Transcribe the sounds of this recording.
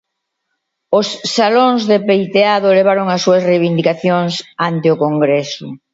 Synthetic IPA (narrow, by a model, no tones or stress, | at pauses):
ʊsːaloŋzðepejt̪eaðʊleβ̞aɾʊŋɐsːuɐsrejβind̪ikaθjoŋsant̪eʊkoŋɡɾɛsʊ̰